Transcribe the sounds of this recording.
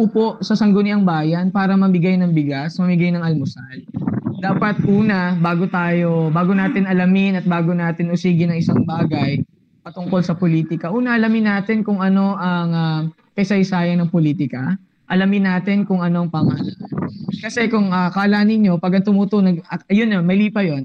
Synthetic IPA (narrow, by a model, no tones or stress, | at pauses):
ʔʊpoʔsɐsɐŋɡonɪɐŋbaːjɐnpaːɾɐmɐbɪɡajnɐŋbɪɡasmɐmɪɡajnɐŋɐlmʊsand̪aːpɐt̪̚ʔuːnɐbaːɡo̞t̪aːjo̞baːɡo̞naːt̪ɪnɐlɐmɪnɐt̪̚baːɡonaːt̪ɪnʊsiːɡɪnɐŋɪsaŋbaːɡɐj | pɐt̪ʊŋko̞lsɐpoliːt̪ɪkɐʔuːnɐʔɐlɐmɪnːaːt̪ɪnkʊŋʔɐno̞ʔɐŋa | kɐjsɐjsaːjɐnɐŋpoliːt̪ɪkɐ | ʔɐlɐmɪnːaːt̪ɪnkʊŋɐno̞ɐŋpɐŋɐɐlaʔankɐsɛkʊŋɐkɐɐlanɪɲːo̞pɐɡɐŋt̪ʊmut̪onɐɡɐɐjonːnmɐjliːpɐjo̞n